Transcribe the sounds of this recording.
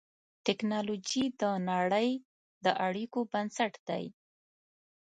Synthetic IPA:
ʈɪknɑlod͡ʒid̪ənaɽəj | d̪əʔaɽikobansaʈd̪̥a̰j

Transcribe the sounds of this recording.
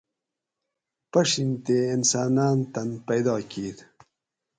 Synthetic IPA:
pɐʂint̪eːinsɑːnɑːnt̪ɐnpɐjd̪ɑːkiːd̪

